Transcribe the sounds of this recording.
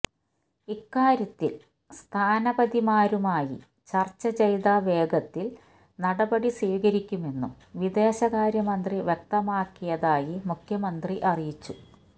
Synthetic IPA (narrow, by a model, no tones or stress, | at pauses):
ikːaːɾjɐt̪ːil | st̪ʰaːnɐbɐðimaːɾumaːjḭ | t͡ɕɐrt͡ɕːɐd͡ʑɐjðaːʋe̞ːɡɐt̪ːil | nɐɽɐbɐɽisiːɣɐɾikʲːume̞nːum | ʋid̪e̞ːɕɐɣaːɾjɐmɐnd̪riʋjek̚t̪ɐmaːkːijɐðaːjimukʰjɐmɐnd̪riʔɐrijit͡ɕːu